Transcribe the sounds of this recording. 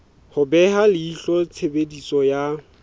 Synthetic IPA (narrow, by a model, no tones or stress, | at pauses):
hʊbɛɦalɪiɬɔt͡sʰebedisɔja